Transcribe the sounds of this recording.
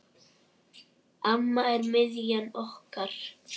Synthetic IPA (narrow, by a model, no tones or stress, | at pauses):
amːaɛɾmɪðjanɔhkaɾ̥